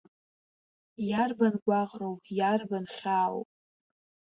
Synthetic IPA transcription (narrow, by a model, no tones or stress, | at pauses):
jarbanɡʷaʁrowjarbanʃaːwo̰pʼ